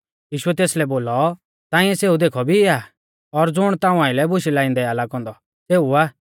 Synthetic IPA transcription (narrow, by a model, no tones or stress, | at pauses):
jiːʃuɛt̪eːslɛboːlɔ | t̪ãːɪ̃ɛseːud̪eːkʰɔbʱiaː | ɔɾd͡zʊɽ̃t̪ãːũãːɪ̃lɛbʊʃilaːɪ̃nd̪ɛalakɔ̃ːnd̪ɔ | seːuaː